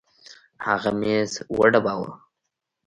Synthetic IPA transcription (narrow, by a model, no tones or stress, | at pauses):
haɣamezwə̰ɖabawə̰